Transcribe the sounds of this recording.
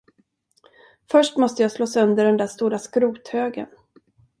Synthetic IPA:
fœʂʈmɔst̪əjɑːsloːsɵnd̪əɖɛnd̪æːst̪uːɾaskɾuːt̪høːɡə̰n

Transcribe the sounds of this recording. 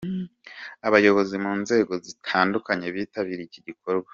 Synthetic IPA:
aβajo̞βo̞zimuːnze̞ːɡo̞zitʰaːndukaɲe̞βiːtaβiɾiciɟiko̞ɾɡwḁ

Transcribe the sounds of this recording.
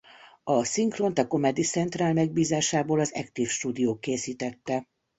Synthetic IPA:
ɒsiŋkront̪ɒko̞mɛd̪it̪sɛnt̪raːlmɛɡ̚biːzaːʃaːboːlɒzɛ̰kt̪ifʃt̪uːd̪ijoːkːeːsiːt̪ɛt̪ːɛ

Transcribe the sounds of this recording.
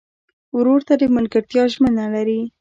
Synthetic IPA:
wɾoɾt̪ad̪əmʊlkaɾt̪jɑʒmənalaɾi

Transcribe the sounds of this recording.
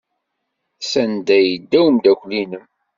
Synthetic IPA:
sænd̪æjəd̪ːæwəmd̪ækʷlinəm

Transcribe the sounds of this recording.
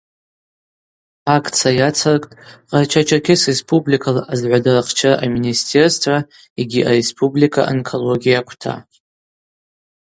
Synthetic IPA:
akʰʼt͡sʰajat͡sʰarkʼtʼqʼart͡ʃʰat͡ʃʰakʲʰɪsrespʰublikʰalaʔazʕʷadaraχt͡ʃʰaraʔaministʰe̞rstʰa | iɡʲiʔaɾe̞spʰʼublikʰa̰ʔankʰo̞lo̞ɡʲijakʷʰtʰa̰

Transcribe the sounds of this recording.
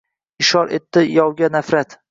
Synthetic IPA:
ɪʃɒɾʔet̪ːɪjɒwɡʲanafɾat̪

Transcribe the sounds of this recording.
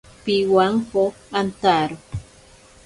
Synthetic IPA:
piwaŋko | ant̪aɾo

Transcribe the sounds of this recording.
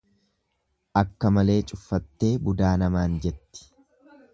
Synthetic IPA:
ʔɐkːɐmɐle̞ːt͡ʃʼʊfːɐt̪ːe̞ːbʊd̪aːnɐmaːnd͡ʒɛt̪ːɪ̥

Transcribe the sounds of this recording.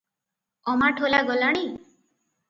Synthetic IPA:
ɔmaʈʰolaɡɔlaɽ̃i

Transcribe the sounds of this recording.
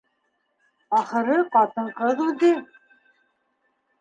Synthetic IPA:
ɑχɤ̆ɾɤqɑt̪ɤɴqɤðud̪ɘ

